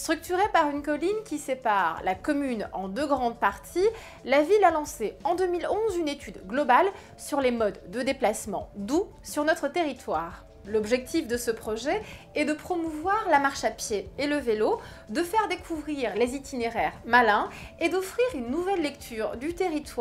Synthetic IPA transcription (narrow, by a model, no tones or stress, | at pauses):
st̪χyk̚t̪yʁepaʁynkɔlinkʲisepaʁlakɔmynɑ̰̃d̪øɡʁɑ̃d̪̚paʁt̪ʰi | lavilalɑ̃seɑ̃d̪ømilɔ̃zynet̪ʰyd̪ɡlɔbal | syʁlemɔd̪ːəd̪eplasmɑ̰̃d̪u | syʁnɔt̪χət̪eʁit̪waːʁ | lɔbʒɛk̚t̪ʰifd̪əsəpχɔʒɛ | ɛd̪əpχɔmuvwaʁlamaʁʃapjeːləvelo | d̪əfɛʁd̪ekʰuvʁiʁlezit̪ineʁɛʁmalɛ̃ed̪ɔfχiʁynːuvɛlːɛkt̪ʰyʁd̪yt̪eʁit̪w